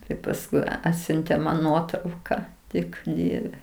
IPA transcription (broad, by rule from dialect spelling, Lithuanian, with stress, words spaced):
ˈtɐɪ pɐsˈkʊɪ ˈɑːtʲsʲʊnʲtʲeː mɐn ˈnuɔtrɐʊkɐ ˈtʲɪk ˈdʲiɛʋʲɛ